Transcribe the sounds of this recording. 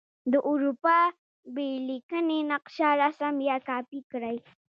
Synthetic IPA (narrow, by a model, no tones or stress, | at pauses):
d̪əʔʊɾupɑ | belikənenaqʃaɾasamjɑkɑpikɾaj